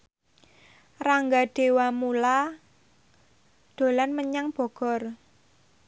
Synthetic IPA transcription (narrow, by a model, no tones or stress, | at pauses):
raŋɡaɖ̥e̤wamula | d̪̥o̤lanməɲaŋb̥ɔ̤ɡ̥ɔ̤r